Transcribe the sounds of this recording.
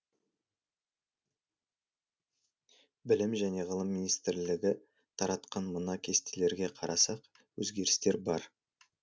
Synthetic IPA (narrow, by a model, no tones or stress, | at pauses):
bɪlɪmʒæne̞ʁəlˠəmːinijst̪ɪɾlɪɡʲɪ | t̪ʰɑɾɑt̪qɑnmənɑkʲʰe̞st̪ele̞ɾɡʲe̞qʰɑɾʔɑsɑq | wɵ̰zɡʲe̞ɾɪst̪e̞ɾbɑɾ